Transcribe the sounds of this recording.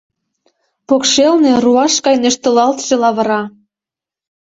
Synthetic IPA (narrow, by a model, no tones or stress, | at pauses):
pokʃelnĕruɑʃkɑjnĕʃt̪ə̆lɑlt̪ʒ̥ĕlɑβə̆ɾɑ